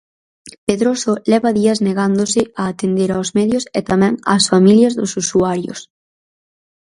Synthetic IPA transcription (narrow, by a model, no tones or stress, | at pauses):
peðɾosolɛβɐðiɐzneɣand̪osɪaːt̪end̪eɾaozmɛðjoset̪amɛ̃ŋa̰ːsfamiljɐzðʊsusuaɾjo̰s